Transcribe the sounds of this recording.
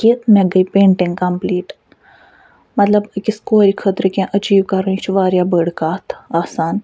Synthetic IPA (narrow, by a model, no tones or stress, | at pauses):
kinɐɡəpẽːɳʈɪŋɡkɐmpliːʈ | mɐt̪ləbkɪskoːɾikʰət̪ɾkãʔɐd͡ʒiːʋkɐɾuĩt͡ʃʰiʋaːɾjaːbəːɽkaːt̪ʰaːsaːn